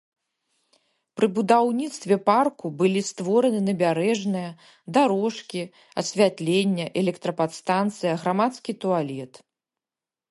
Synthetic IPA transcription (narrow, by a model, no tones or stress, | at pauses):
pɾɨbud̪awnʲit̪st̪vʲɛparkubɨlʲist̪vɔɾɐnɨnɐbʲaɾɛʐnɨjɐ | d̪aɾɔʂkʲi | ɐ̰sʲvʲat̪lʲenʲːɐʔɛlʲɛkt̪ɾɐpat̪st̪ant̪sɨjɐɣɾamat̪skʲit̪ualʲɛt̪